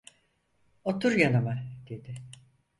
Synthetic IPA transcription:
ot̪ʰuɾjanamad̪̥e̞d̪ɪ

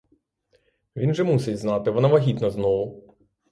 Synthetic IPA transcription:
ʋʲinʒɛmusɪtʲznɑt̪ɪʋɔnaʋɐɦʲit̪nɐznɔʋʊ

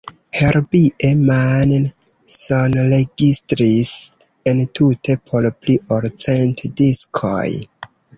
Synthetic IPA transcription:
heɾbiʔeman | sonɾeɡistɾis | entutʰe̞pʰo̞lpliʔoɾt͡sentdiskʰo̰j

